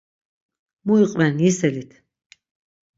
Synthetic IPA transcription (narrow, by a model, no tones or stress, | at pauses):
muiqʼvɛnjisɛlit̪ʰ